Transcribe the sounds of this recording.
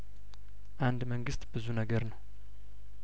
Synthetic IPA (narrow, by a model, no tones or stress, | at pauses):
ʔand̪məŋɡɨst̪bɨzunəɡəɾnəw